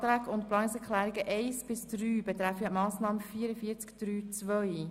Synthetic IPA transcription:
tɾæːkʊntplɑnsɛkʰlæːɾɪɡəʔeɪsb̥ɪsd̥ryːbɛt̪ɾæfəmɑːsnɑːməfiːəɾəfiət͡skd̥ɾyːt͡svœʏ

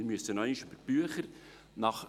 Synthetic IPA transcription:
ɪɾmyəsənœɪniʃyb̥əɾb̥yəχəɾ | nɑχ

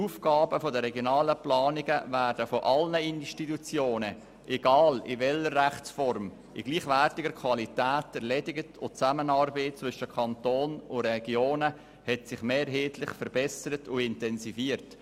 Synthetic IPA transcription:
uːfkɑːbəfɔdəɾɛɡjonɑːləplɑːnɪɡəvæːɾdəfoʔɑlnəinʃtitut͡sjoːnə | ʔɛɡ̥ɑːlɪ̰vɛləɾːæχt͡sfɔɾm | ɪ̰ɡ̥liːχʋærtɪɡəɾkʰvɑlitæːtɛɾlɛdɪɡətʰʊt͡sæmənɑɾbeːtt͡svʏʃəkʰɑntoːnʊɾɛɡ̥joːnə | hɛtsɪχmeːɾɦeːtlɪχfəɾbɛsəɾətʊɪntɛnsifiəɾt

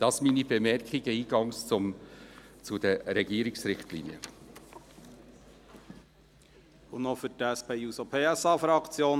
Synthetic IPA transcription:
d̥ɑsminibemɛɾkχiɡ̥əiːɡɑŋst͡sʊm | t͡sud̪əɾɛɡiːɾiksɾɪχt̪lḭniə̰ | ʊnofʏtæspeuːsopʰeːæsɑːfɾɑkt͡sjoːn

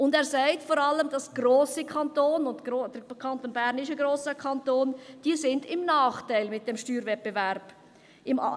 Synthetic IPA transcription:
ʊndɛːɾsaɪtfɔɾɑləmd̥ɑsɡ̥roːsikʰɑntoːnʊndoːd̥əkʰɑntonbæɾnɪʃəɡɾoːsəkʰɑntoːnd̥iːəsɪndɪmnɑːχtaɪlmɪt̚d̥ɛmʃtyːɾvɛt̚b̥evɛɾb̥ | ɪm̰

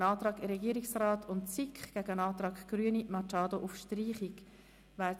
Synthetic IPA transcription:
nɑːt̪ɾɑːkɪɾɛɡiːəɾiksrɑːtʰʊntt͡sikχɡ̥æɡəənɑːt̪ɾɑːkɡ̥ɾyənimɑt͡ʃɑːd̪oʔufʃtriːχik | ʋæː

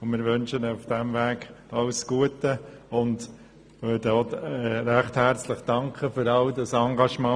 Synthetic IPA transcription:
ʊnmɪːɾʋʏnʃənufd̥æmʋæːɡɑlsɡ̥uətəʊnd | ʋøːɾdəɔɛɾæχthæɾt͡sləχd̥ɑŋkχəfʏɾɑldɑsɑŋɡɑʃmɑ̃ː

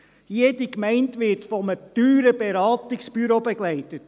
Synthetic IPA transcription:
jeːdikmæɪntʋɪɾtfɔməd̥yːɾəbeɾɑːtɪksb̥yɾoːbeɡlæɪtət

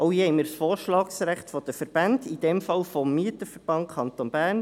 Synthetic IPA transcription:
ʔowhihɛɪməɾsfɔːɾʃlɑːksɾæχtfɔd̥̪əfəɾb̥ɑndid̥ɛmfɑlfɔmːiətəfəɾb̥ɑnkʰɑnt̪onb̥æːɾn

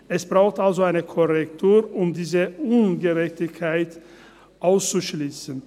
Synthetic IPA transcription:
ʔɛsb̥ʁaʊxtʔalzoaɪnəkʰɔʁɛktʰuːɐʔʊmdiːzəʊnɡəʁɛçtɪçkʰaɪt | ʔaʊst͡suʃliːsən̩

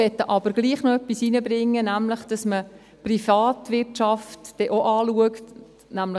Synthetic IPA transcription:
ɛt̪ːəʔɑb̥əɾɡ̥liːχnoœpːisinəbɾɪŋːənæmləχd̥ɑsmə | prifɑːt̪ʋɪrtt͡ʃɑftd̥ɛʔoʔɑːluəkt | næmlə

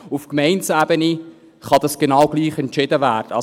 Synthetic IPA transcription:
ufkmɛɪnsæːbəni | χɑdɑsɡ̥enɑʊɡ̥liːχɛntt͡ʃɪdəvæːrd̥əɑ

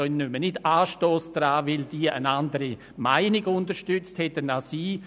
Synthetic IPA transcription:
œnnʏmənɪdaːʃtoːsd̥ɾaːvɪld̥iːəʔə̰nandəɾi | maɪnɪɡʊndəʃtʏt͡sthɛtənasiː

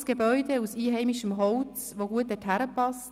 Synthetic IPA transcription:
sɡ̥ebœʏdeusiːɦɛɪmiʃəmɦɔʊt͡s | ʋoɡuət̚d̥ɛthæɾəpɑst

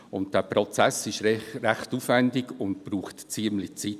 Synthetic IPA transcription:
ʊnt̚d̥ɛːpɾɔt͡sæsɪʃɾæχtuːfvɛndɪɡʊnt̚b̥ɾuːχtt͡siəmlɪt͡sit

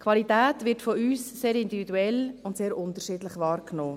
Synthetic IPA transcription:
kʰʋɑlitæːtʋɪɾtfɔyːsseːɾɪndividuɛlʊntseːɾʔʊntəʃiːdlɪχʋɑːɾknoː

